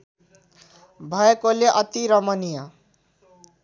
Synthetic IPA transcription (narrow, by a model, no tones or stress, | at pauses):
bʱʌekoleʔʌt̪iɾʌmʌnijʌ